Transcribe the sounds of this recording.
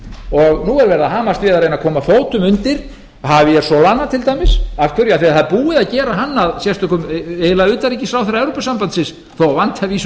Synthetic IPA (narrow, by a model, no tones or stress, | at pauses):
ɔɣnuɛɾvɛɾðaɦaːmast̪vɪːðaɾejnakʰɔːmafoːwt̪ʏmʏnt̪ɪɾ̥ | havɪjɛɾ̥sɔlanːat̪ʰɪlt̪ajmɪsafkʰvʏɾjaðθiaθaðpuːɪðaðcɛːɾaɦanːaðsjɛst̪ʏkʏmeːlaʏːt̪aɾicɪsɾawθɛrːaɛvwɾopasampant̪sɪns | θowavant̪havis